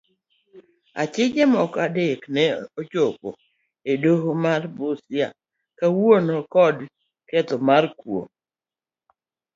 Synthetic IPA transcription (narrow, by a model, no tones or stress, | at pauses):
a̰t͡ʃɪd͡ʒɛmɔkadeknɛot͡ʃopo̰ | edoɦomarbosja̰ | kawonokɔd | kɛt̪ɔmarkwo̰